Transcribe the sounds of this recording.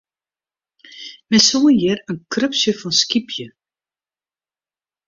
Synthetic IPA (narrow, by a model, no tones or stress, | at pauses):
mɛnsoːənjɪrənkrøpsjəfɔnskipʰjə